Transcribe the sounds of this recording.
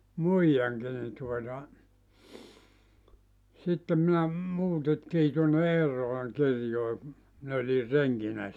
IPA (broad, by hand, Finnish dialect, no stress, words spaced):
muijɑŋki ni tuotɑ sitːem minæ muːtetːiː tuonːe eːrːolɑŋ kirjoe min olir reŋkinæ